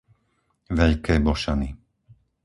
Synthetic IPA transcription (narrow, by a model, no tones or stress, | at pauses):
ʋɛʎkɛːbɔʃani